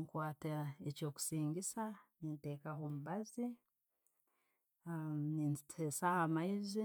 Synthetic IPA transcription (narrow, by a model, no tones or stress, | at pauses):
ŋkwaːteeco̞ːku̥siːɲɡisaninte̞ːkaɦomuβazi | ninitʰesahamaizi